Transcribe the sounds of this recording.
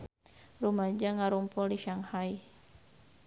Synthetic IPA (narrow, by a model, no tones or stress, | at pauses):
rumad͡ʒaŋaɾumpɔliʃaŋhaj